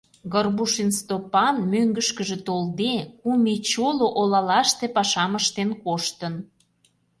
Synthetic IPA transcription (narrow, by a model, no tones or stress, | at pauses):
ɣərbuʃinst̪opɑnmøŋɡəʃkəʒĕt̪old̪ekumet͡ɕoloʔolɑlɑʃt̪epɑʃɑməʃt̪enkoʃt̪ən